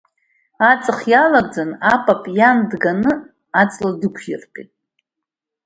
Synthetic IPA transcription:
at͡sʼɨχjalaɡ̚ʼd͡zanapʼapʼjandɡanɨ | at͡sʼladɨkʷʰjɪrpʼḭtʼ

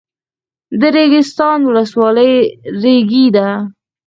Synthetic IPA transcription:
d̪əɾeɡɪst̪ɑnwʊləswɑləjɾeɡid̪a

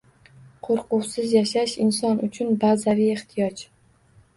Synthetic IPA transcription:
qʰoɾqʊwsɪzjaʃaʃɪnsɒnʊt͡ʃʰʊnbazavijeht̪ʰɪjɒt͡ʃ

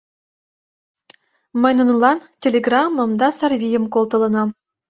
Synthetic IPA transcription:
mə̆jʲnunlˠɑntʲelʲeɡrɑmːɤ̆md̪ɑsɑrvʲijə̆mkolˠt̪ɤ̆lˠɤ̆nɑ

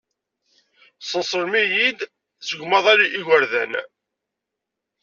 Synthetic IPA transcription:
sˤəsˤəɾmijid̪ | səɡmɑðˤɑliʔiʝəɾðæn

